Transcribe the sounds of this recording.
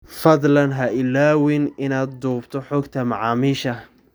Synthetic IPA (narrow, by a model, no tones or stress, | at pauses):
fɐd̪lɐnɦɐɪlaːwɪnɪnaːd̪̚d̪uːbt̪ʰɔħɔːɡt̪ʰɐmɑʕɑːmiːʃɐ